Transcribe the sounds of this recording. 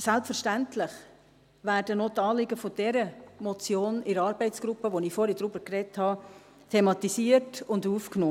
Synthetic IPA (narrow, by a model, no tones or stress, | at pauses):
sælpfəɾʃtæntlɪχ | ʋæːɾdənɔtɑːlɪɡəfod̥ɛɾəmɔt͡sjoːnɪɾɑːɾbɛɪtt͡sɡ̥ɾʊpːəʋoniːfoːɾidɾubəkrɛthɑ | tʰemɑtisiərtʊnduːfknoː